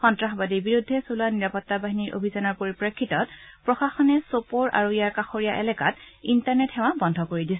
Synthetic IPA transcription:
xɔntɹaxɔbadibiɹudʱːɛsulaniɹapɔtːabaɦiniɹʔo̰bʱizanɔɹpoɹipɹekʰːitɔt̚pɹɔxaxɔnɛsopoɹʔa̰ɹuijaɹkaxoɹijaʔɛlɛkatintaɹnɛthɛw̃abɔndʱɔkoɹidisɛ

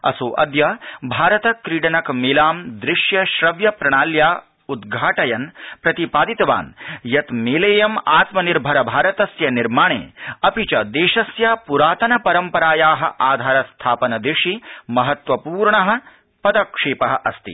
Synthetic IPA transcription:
ɐ̰suːʔɐ̰d̪jɐbʱaːɾɐt̪ɐkɾiːɽɐnɐkmeːlaːmd̪ɾɪʂjɐʃɾɐʋjɐpɾɐɳ̃aːljaː | ud̪ɡʱaːʈɐjɐnpɾɐt̪ipaːd̪it̪ɐʋa̰ːnjɐt̪meːleːjɐmaːt̪mɐniɾbʱɐɾɐbʱaːɾɐt̪ɐsjɐniɾmaːɳḛːɐpit͡ʃɐd̪eːʃɐsjaːpuɾaːt̪ɐnɐpɐɾɐmpɐɾaːjaːɦɐ̰̆ʔaːd̪ʱaːɾɐst̪ʰaːpɐnɐd̪ɪʂimɐɦɐt̪ʋɐpuːɾɳɐɦɐ̆ | pɐd̪ɐkʂeːpɐɦɐʔɐst̪ḭ

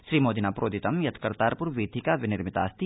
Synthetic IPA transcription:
ʃɾiːmoːd̪inaːpɾʔoːd̪it̪ɐmjɐt̪ʰkɐɾt̪aːɾpʊɾʋiːd̪ʱikaʋɪnɪɾmɪt̪a̰ːst̪i

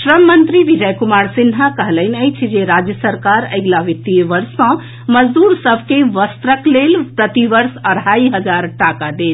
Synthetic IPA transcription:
ʃɾəmːənt̪ɾiʋid͡ʒəjkumaɾsinɦakəɦləɪnəjt͡ʃʰid͡ʒeɾad͡ʒjəsəɾkaɾə̰jɡlaʋit̪ːiʋəɾsːə̃ | məd͡ʒd̪uɾsəbʱkeʋəst̪ɾəklelpɾət̪iʋəɾsəɽaiɦəd͡ʒaɾʈakad̪et͡ʃʰ

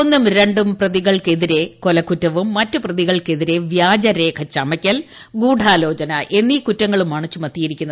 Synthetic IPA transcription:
onːumɾe̞ɳɖumprɐðiɣɐɭke̞ðiɾe̞ko̞lɐkːutːɐʋumːɐtːɨprɐðiɣɐɭke̞ðiɾe̞ʋjaːd͡ʑɐɾe̞ːkʰɐt͡ɕɐmɐkʲːɐl | ɡuːɖʱaːlo̞ːt͡ɕɐnɐʔe̞nːiːkutːɐŋːɐɭumːɐɳɐt͡ɕːumɐt̪ːijiɾikʲːunːɐ

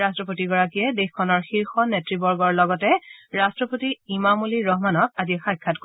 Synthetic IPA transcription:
astɹɔpotiɡɔɹakijɛdexkʰːɔnɔɹxiɹxɔnetɹibɔɹɡɔɹlɔɡɔtɛɹastɹɔpotiimamuliɹɔɦmanɔk̚azixajkʰːatko

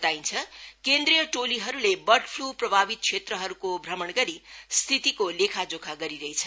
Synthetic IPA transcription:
t̪aint͡sʰʌkend̪ɾijʌʈoliɦʌɾulebʌrʈpʰluprʌbʱabit̪̚kʰt͡ʃʰet̪rʌɦʌɾukobʱrʌmʌɳɡʌɾist̪ʰit̪ikolekʰad͡zokʰaɡʌɾiɾʌɦit͡sʰʌ

